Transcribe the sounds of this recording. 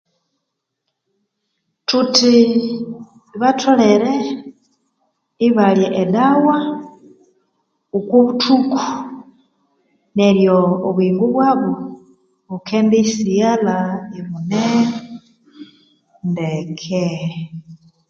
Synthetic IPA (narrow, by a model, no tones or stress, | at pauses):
tuti | βatʰoleɾe | iβaljeʔedawa | ukuβutʰuko̥ | neɾjoːβwiːŋɡuβwaβo | βukʰendeisijalaiβune | ndekʰe